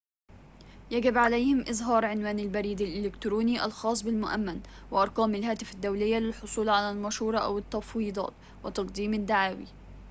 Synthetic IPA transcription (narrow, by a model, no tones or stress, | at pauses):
jaɡɪbʕalajhɪmʔɪzɦɑːɾˤʕɪnwaːnalbaɾiːd̪alʔɪlɪkt̪ɾuːniːʔɑ̰lxɑːsˤbɪlmʊʔa̰mːan | wɪʔɑɾˤqɑːmalɦaːt̪ɪfad̪ːawlɪjːalɪlħʊsˤuːlʕalaːlmaʃhuːɾˤɑʔa̰wɪt̪ːɑfwiːd̪ˤɑ̰ːt̪ | wɪt̪ɑqd̪iːmad̪ːaʕaːwḭ